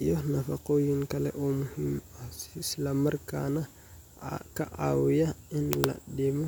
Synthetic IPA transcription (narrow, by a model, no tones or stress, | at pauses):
jɔnɐfɐqoːjiŋkɐlɛ̰ʔɔːmʊhimɐsislamɐrka̰ːnɐ | kɐʔaːwɪjɐɪnlɐ̰dɛmɔ